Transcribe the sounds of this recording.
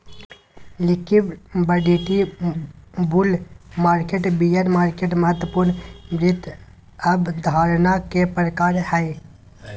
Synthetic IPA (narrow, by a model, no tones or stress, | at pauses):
lɪkibbəɖiʈi | bulmaːɾkeʈbijənmaːɾkeʈməɦət̪wəpuɾnmɾɪt̪ | əbd̪ʱaːɾnakepɾəkaːɾhɛj